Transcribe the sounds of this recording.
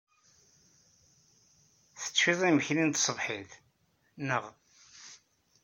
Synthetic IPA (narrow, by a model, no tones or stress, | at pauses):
θə̥t͡sːiðˤiməçnint̪sˤəvħið | nəʁ